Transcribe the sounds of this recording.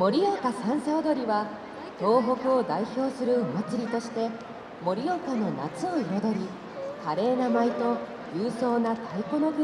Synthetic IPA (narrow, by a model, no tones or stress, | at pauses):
mo̞ɾʲijo̞kasãɰ̃seod̪o̞ɾʲiβa | t̪o̞ːɦo̞kɯ̟o̞d̪aiço̞ːsɨɾɯ̟omat͡sɨɾʲit̪o̞ɕi̥t̪e̞ | mo̞ɾʲijo̞kano̞na̰t͡sɨo̞iɾo̞d̪o̞ɾʲi | kaɾe̞ːnamait̪o̞ | jɯːso̞ːnat̪aiko̞no̞ɡɯ